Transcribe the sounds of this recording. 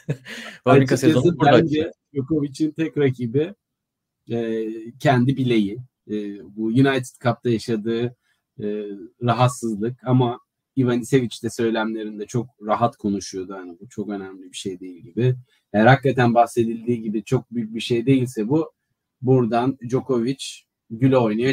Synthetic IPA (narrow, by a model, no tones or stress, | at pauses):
aesid̪æd͡ʒɛd͡ʒoko̞vit͡ʃʰint̪ʰɛcɾacʰiːbɪ | ɛːcʰɛnd̪ibilʲe̞jiː | bujunajt̪ʰi̥t̪kʰap̚t̪ʰajaʃad̪ɯː | ɾaɦat̪sɯzlˠɯkama | ivanise̞vit͡ʃt̪ɛsø̞jlʲæmlʲe̞ɾind̪ɛt͡ʃʰo̞kɾaɦat̪kʰo̞nuʃujo̞d̪uhanibut͡ʃʰo̞kø̞næmlʲibiʃe̞jd̪e̞jilʲɟibɪ | hejæɾhakːat̪ʰænbahse̞d̪ilʲd̪iːɟibit͡ʃʰo̞k̚byjyc̚biʃe̞jd̪e̞jilʲsɛbu | buɾd̪and͡ʒo̞ko̞vit͡ʃ | ɟylʲɛo̞jnajo